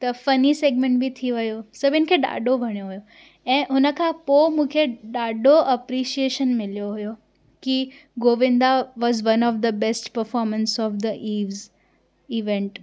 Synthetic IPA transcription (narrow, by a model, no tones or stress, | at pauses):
t̪ɐfɐniseːɡ̚mẽɳʈ̚bit̪ʰiʋɐjosɐbʱɪnɪkʰeːɗa̰ːɖobʱɐɽ̃ijoɦʊjo | ɛ̃ːɦʊnəkʰãpomũːkʰeɗaːɖoʔɐpɾiʃieːʃənmɪljoɦʊjo | kiɡoːʋɪ̃nd̪aʋɔːzʋɐ̃nɔːfd̪əbɛsʈpəɾfɔːɾmə̃nsɔːfd̪əʔiːʋz | iʋɛ̃ɳʈ